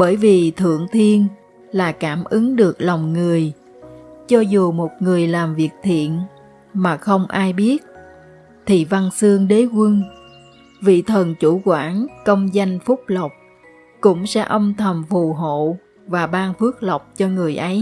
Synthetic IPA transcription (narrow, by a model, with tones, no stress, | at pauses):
ɓəː˧˩jvi˨˩t̪ʰɨ̰˧˨əŋt̪ʰi˧ən | laː˨˩kaː˧˩mʔɨ˨˦ŋɗɨ˨˩ək̚lɔ˨˩wŋ͡mŋɨ˨˩əj | t͡ɕɔ˧zu˨˩mo˨˩t̚ŋɨ˨˩əjlaː˨˩mvi˨˩ək̚t̪ʰḭ˧˨ən | maː˨˩xə˧wŋ͡mʔaː˧jɓi˦˥ət̚ | t̪ʰi˨˩va˧nsɨ˧əŋɗe˨˦kwə˧n | vḭ˧˨t̪ʰə˨˩nt͡ɕu˧˩kwaː˧˩nkə˧wŋ͡mza˧jŋ̟fʊ˦˥k͡p̚lə˨˩wk͡p̚ | kʊ̰˧˥ŋ͡msɛ̰˧˥ʔə˧wŋ͡mt̪ʰə˨˩mfu˨˩ɦo̰˧˨ | vaː˨˩ɓaː˧nfɨ˦˥ək̚lə˨˩wk͡p̚t͡ɕɔ˧ŋɨ˨˩əjʔə˨˦j